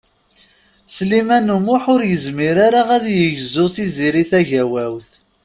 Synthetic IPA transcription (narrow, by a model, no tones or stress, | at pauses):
slimænumʊħʊɾjəzmiɾaɾaʁæðjəʝzːʊθiziɾiθæʝæwæwθ